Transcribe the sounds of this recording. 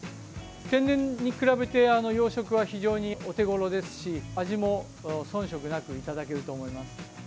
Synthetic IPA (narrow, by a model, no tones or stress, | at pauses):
kẽ̞nːẽ̞ɲːikɯ̟ɾabe̞t̪e̞ano̞jo̞ːɕo̞kɯ̟βaçiʑo̞ːɲ̟io̞t̪e̞ɡo̞ɾo̞d̪e̞sɨ̥ɕiaʑimo̞ | sõ̞ɰ̃ɕo̞kɯ̟nakɯ̟it̪ad̪ak̬e̞ɾɯ̟t̪o̞ːmo̞imasɨ̥